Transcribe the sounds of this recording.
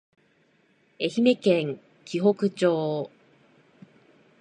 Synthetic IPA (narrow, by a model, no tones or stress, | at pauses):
e̞çime̞kẽŋ | kʲiɦo̞kɯ̟t͡ɕoː